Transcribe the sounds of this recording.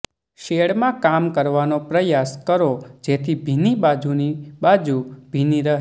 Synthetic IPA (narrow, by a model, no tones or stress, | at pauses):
ʃeɽmãkamkəɾʋanopɾəjaskəɾod͡ʒet̪ʰibʱinibad͡ʒunibad͡ʒub̥ʱiniɾəɦ